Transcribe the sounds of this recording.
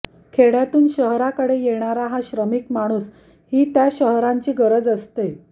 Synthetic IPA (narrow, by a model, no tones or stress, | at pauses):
kʰeɽjat̪uːnɕəɦɾakəɽejeɽ̃aɾaɦaɕɾəmiːkmaɽ̃uːs | hiːt̪jaɕəɦɾaɲt͡ɕiːɡəɾəd͡zəst̪e